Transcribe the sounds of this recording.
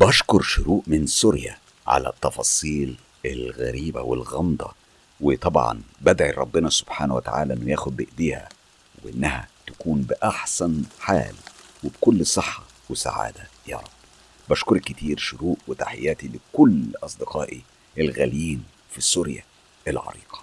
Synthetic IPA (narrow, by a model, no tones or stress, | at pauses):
bɑʃkoɾˤʃʊɾuːʔmɪnsuɾjæ̰ | ʕa̰læ̰t̪ːɑfɑsˤiːl | ɪlɣæ̰ɾiːbæ̰wḛlɣɑmd̪ˤɑ | wɪt̪ˤɑbʕɑ̰nbæd̪ʕiɾˤɑbːɪnɑsob̥ħaːnæwet̪a̰ʕa̰ːlæʔenːojæːxʊd̪̚bɪʔd̪iːhæ̰ | weʔɪnːæhæ̰t̪ækuːnbɪʔaħsænħa̰ːlwebkʊlːsˤɨħːɑwesa̰ʕa̰ːd̪æjɑ̰ɾˤɑb̥ | bæʃkʊɾˤkːɪt̪iːɾʃʊɾuːʔwet̪aħejːæːt̪ilɪkʊlʔɑsˤd̪eqɑːʔi | ʔelɣæljiːn | fisuɾjæ̰ | elʕɑ̰ɾḭːqʰɑ̥